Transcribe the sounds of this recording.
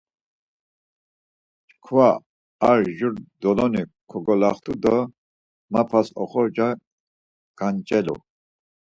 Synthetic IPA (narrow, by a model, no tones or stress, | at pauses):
t͡ʃkʰva | aɾʒuɾd̪ɔlɔnikʰɔɡɔlaχt̪ʰud̪ə | mapʰasɔ̰χɔd͡ʒa | ɡ̥ant͡ʃʼɛlṵ